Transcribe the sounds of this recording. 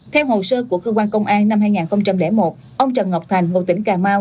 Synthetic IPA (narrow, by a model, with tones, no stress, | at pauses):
t̪ʰɛ˧wɦo˨˩səː˧ku˧˩əkəː˧kwaː˧nkə˧wŋ͡mʔaː˧nːa˧mɦaː˧jŋaː˨˩nxə˧wŋ͡mt͡ɕa˧mlɛ̰˧˥mo˨˩t̚ | ʔə˧wŋ͡mt͡ɕə˨˩nŋa˨˩k͡p̚t̪ʰa˨˩jŋ̟ŋo̰˨˩t̪ï˧˦ŋ̟kaː˨˩maː˧w